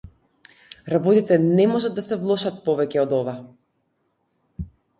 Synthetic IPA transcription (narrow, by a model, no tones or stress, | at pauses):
ɾabɔt̪it̪ɛnɛmɔʒad̪ːasɛvlˠɔʃat̪̚pɔvɛcɛɔd̪ɔva